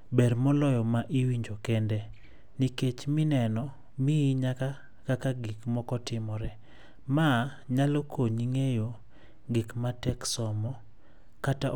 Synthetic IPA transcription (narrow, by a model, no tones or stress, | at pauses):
bɛrmɔlɔjɔmaʔiwiɲd͡ʒokɛndɛ | niket͡ʃmɪnɛnɔ | miːɲaka | kakaɡikmɔkɔtɪmɔɾɛ | maɲalokʰoɲiŋejo | ɡikmatɛksɔmɔ | kata